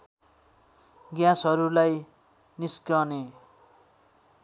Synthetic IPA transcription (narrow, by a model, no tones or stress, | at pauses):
ɡjãsʌɾulaj | niskʌne